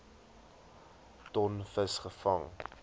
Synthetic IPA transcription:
tɔnfəsχəfɐŋ

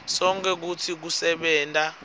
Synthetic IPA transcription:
sɔŋk̬ʰʼɛk̬utʰik̬usɛɓɛːntʼa

